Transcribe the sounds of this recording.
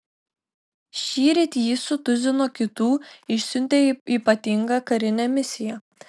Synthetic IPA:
ʃʲiːɾʲet̪ʲjiːsʊt̪ʊzʲɪnoːkʲɪt̪uːɪʃʲsʲʉnʲt̪ʲeiːpɐt̪ʲɪŋɡɐkɐɾʲɪnʲɛmʲɪsʲɪjɛ

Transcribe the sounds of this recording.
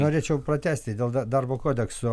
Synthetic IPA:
noːɾʲeːt͡ʃʲɛʊpɾɐt̪ʲæːsʲt̪ʲɪd̪ʲeːlˠd̪ɐd̪ɐrboːkoːd̪ʲɛksoː

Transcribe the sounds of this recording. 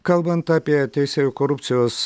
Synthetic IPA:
kalˠbant̪apʲɪjat̪ʰejseykoɾupt̪sɨjos

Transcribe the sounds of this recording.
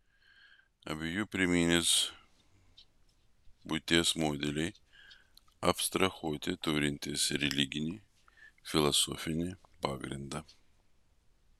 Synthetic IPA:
ɐ̰bʲɪjʊpʲɾʲɪmʲinʲɪs | bʊt̪ʲeɛsmoːd̪ʲɛlʲɛj | ɐ̰pst̪ɾɐxoːt̪ʲɪt̪ɔɾʲɪnʲt̪ʲɪsɾʲɛlʲiɡʲɪnʲɪ | fʲɪlˠɐsɔfʲɪnʲɪpaːɡɾʲɪnd̪ɐ

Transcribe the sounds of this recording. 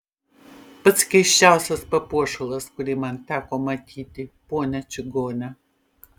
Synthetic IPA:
pɨt͡sʰkʲeʃt͡ʃawsɐspɐpɔʂɨlɐskʷʊlimɐntʰakʷɔmɐtʰiːtʼiponɐt͡ʃʰɪɡoːnɐ

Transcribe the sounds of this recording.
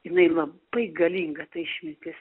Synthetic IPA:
jɪnɐɪlˠɐbb̥ɐɪɡɐlʲiːŋɡɐt̪ɐɪʃʲmʲɪnʲtʲɪs

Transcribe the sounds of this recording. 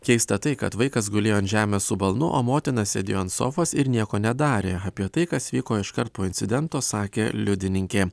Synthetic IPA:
kʲɛɪst̪ɐt̪ɐɪkɐ̰t̪ʋɐɪkɐs̬ɡʊlʲeːjoːɐnt̪ʒʲæːmʲeːssʊbɐlˠnʊʔo̰ːmoːt̪ʲɪnɐssʲɛd̪ʲɪːjoːɐnt̪so̰ːfoːsɪɾnʲiɛkoːnʲɛd̪ɑːɾʲeːɐpʲiɛt̪ɐɪkɐsʋʲiːkoːɪʃkɐɾt̪̚poːɪnʲtsʲɪd̪ʲɛnt̪oːsɑːkʲeːlʲʊd̪ʲɪnʲɪŋʲkʲeː

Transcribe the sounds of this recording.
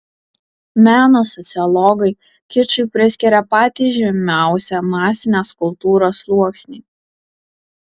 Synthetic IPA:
mʲæːnoːsɔt̪sʲɪɔlˠɔɡɐɪ | kʲɪt͡ʃʲʊɪpʲɾʲɪsʲkʲɛɾʲɛpɑːt̪ʲiːʒʲɛmʲæˑʊsʲɛmɑːsʲɪnʲeːskʊlˠt̪uːɾoːslˠuɔksʲnʲiː

